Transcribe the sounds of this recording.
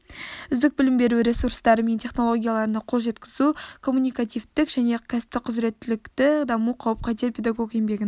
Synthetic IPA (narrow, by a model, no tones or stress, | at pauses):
ʏzd̪ɪk̚bɪlɪmbe̞ɾuɾʲe̞suɾst̪ɑɾəme̞nt̪ʲʰe̞χno̞lˠo̞ɡʲijalˠɑɾənəqʰo̞lˠʒe̞t̪kʲɪzukʰo̞mːunijkat̪ijvt̪ɪkʒæne̞kʲʰæsɪ̥p̚t̪ɪqʰʊzɾe̞t̪ːɪlɪkt̪ɪd̪ɑmuqʰɑwəp̚qʰɑt̪eɾpʰe̞d̪aɡo̞ke̞mbe̞ɡʲɪn